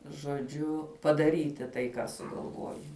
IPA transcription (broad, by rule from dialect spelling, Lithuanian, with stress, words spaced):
ʒoːˈd͡ʒʲʊ pɐdɐˈrʲiːtʲɪ tɐɪ kɑː sʊɡɐlˠˈʋoːjɛɪ